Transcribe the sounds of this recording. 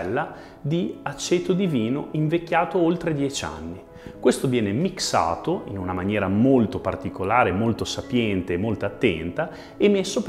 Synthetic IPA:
lːa | d̪iat͡ʃːeːt̪od̪iviːnoiɱvekʲːjaːt̪oolt̪ɾed̪jɛt͡ʃa̰nːi | kwest̪ovjɛːnemiksa̰ːt̪oḭnunamanjɛːɾamolt̪opa̰rt̪ikolaːɾemolt̪osapjɛnt̪eːmːolt̪oat̪ːɛ̰nt̪a | emesːop

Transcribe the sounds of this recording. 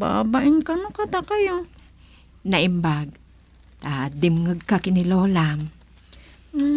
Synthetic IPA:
ba̰ːbaʔɪnkanʊkat̪akajo | nɐʔɪmbaɡ̚ | ad̪ɪmŋɯɡ̚kakɪnɪloːlam

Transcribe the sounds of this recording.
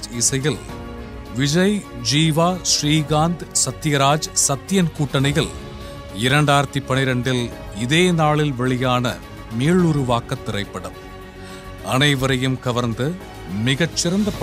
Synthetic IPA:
ɪsɐjɪl | ʋɪd͡ʒɐjd͡ʒiːʋaːsriːɣaːnd̪sɐt̪ːɪjɐɾaːd͡ʒsɐt̪ːɪjɐnkuːʈːɐnɐjɪl | ɪɾɐɳɖaːɪɾɐt̪ːipːɐnɪɾɐɳɖɪl | ɪðeːnaːɭɪlʋɛɭɪjaːnɐ | meːɭʊɾʊʋaːkːɐt̪ːɪrɐɪpːɐɽɐm | ɐnɐɪʋɐɾɐjɯmkɐʋɐɾnd̪ɯ | mɪɣɐt͡ʃːɪɾɐnd̪ɐpː

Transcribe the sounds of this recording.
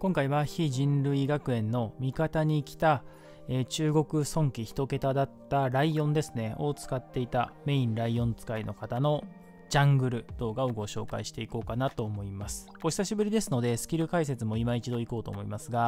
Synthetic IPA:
kõ̞ŋkaiβaçiʑĩnɾɯ̟iɡakɯ̟ẽ̞nːo̞mʲikat̪aɲ̟ikʲi̥t̪a | eːt͡ɕɨːɡo̞kɯ̟sõ̞ŋkʲiçi̥t̪o̞ke̞t̪ad̪at̪ːaɾaiõ̞nd̪e̞sɨne̞o̞t͡sɨ̥kat̪ːe̞it̪ame̞ĩnɾaiõ̞nt͡sɨ̥kainokat̪ano̞ | d͡ʑãŋɡɯ̟ɾɯ̟d̪̥o̞ːɡao̞ɡo̞ɕo̞ːka̰iɕi̥t̪e̞iko̞ːkanat̪o̞ːmo̞imasɨ̥o̞ɕi̥saɕibɯ̟ɾʲid̪e̞sɨno̞d̪e̞sɨ̥kʲiɾɯ̟kais̬e̞t͡sɨmo̞imait͡ɕid̪o̞iko̞ːt̪o̰ːmoimasɨɡa

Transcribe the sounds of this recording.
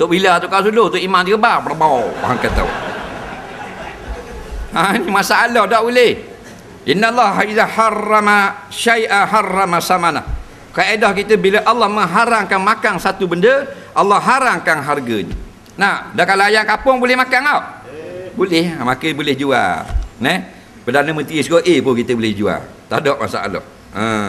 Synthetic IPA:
t̪oʔbilat̪uʔkaʔsulot̪oʔimant̪əkəbarbərbawwa̰ɦa̰ŋkət̪a̰w | hanimasaalɔhdaʔbuleh | ʔinːalːɑɦaiðaħɑrːamaʃajʔaħɑrːamasamana̰h | kəedɔhkit̪əbiləʔalːɑhməŋɦaɾaŋkanmakaŋsat̪ubəndə | ʔalːɑɦaɾaŋkaŋɦarɡəɲə̰ | nadaʔkalaajaʔkapʊŋbolɪhmakaŋawʔbulɪhmakəbulɪhd͡ʒua̰nɛh | pərdanəmənt̪ɾisɡoʔepʊkit̪əbolɪhd͡ʒua̰t̪a̰dɔʔma̰sa̰a̰lɔ̰h | ə

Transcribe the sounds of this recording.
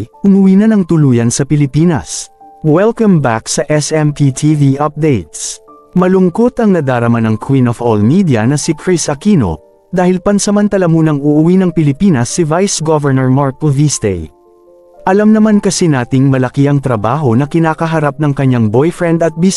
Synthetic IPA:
ʔʊmʊwiːnɐnɐŋt̪ʊluːjɐnsɐpɪlɪpiːnɐ̰swɛlkɐmbaksɐʔɛsɛmt̪it̪ʰiviʔɐp̚d̪ejt̪̚s | mɐlʊŋkot̪ɐŋnɐd̪aːɾɐmanɐŋkʰwinovolmid̪ijɐ̰nɐsikɹɪsɐkino̞̰ | d̪aːhɪlpɐnsɐmɐnt̪ɐlɐmuːnɐŋʊʔʊwinɐŋpɪlɪpiːnɐsːivajsɡovɛɹnɛɹmaɹkovisd̪ɛ̰j | ʔɐlɐmnɐmankɐsinaːt̪ɪŋmɐlɐkiʔɐŋt̪ɾɐbaːɦo̞nɐkɪnaːkɐɦɐɾap̚nɐŋkɐɲaŋbojfɹɛnd̪ɐt̪̚bis

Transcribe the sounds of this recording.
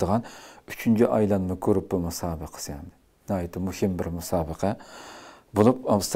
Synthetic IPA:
əʁɑnyt͡ʃʰynt͡ʃʰiʔɑjlˠɑnmɪkʲʰøɾɪp̚bumusɑːbɨqʰə̥sjɑnd̪ɪ | nɑjt̪ʰːɪmuhɪmbɪɾmusɑːbəqʰɑ | bolˠupɑmst̪

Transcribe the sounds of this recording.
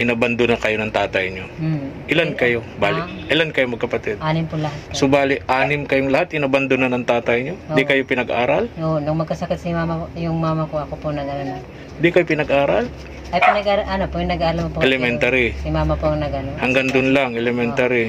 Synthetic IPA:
hɪnɐbɐnd̪ʊnɐkɐjonɐŋt̪aːt̪ɐjɲoʔɪlankɐjo̞ | baːlɪ | ʔɪlankɐjomɐɡ̚kɐpɐt̪ɛd̪ʔaːnɪmpʊlɐɦat̪sʊbaːlɪʔaːnɪmkɐjoŋlɐhat̪̚hɪnɐbɐnd̪ʊnanɐŋt̪aːt̪ɐjɲod̪ikɐjopɪnɐɡʔa̰ːɾɐlonʊŋmɐɡ̚kɐsɐkɪt̪̚simamɐjʊŋmaːmɐkoɐkoponɐɡɐɾono | nd̪ikɐjopɪnɐɡʔaːɾal | ɐjpɪnɐɡaɾɐlʔɐnopojʊŋnɐɡaːɾɐlmopoʔɛlɛmɛnt̪aɾisimaːmɐpoɐŋnɐɡɐnohɐŋɡɐŋd̪ʊnlaŋʔɛlɛmɛnt̪aɾi

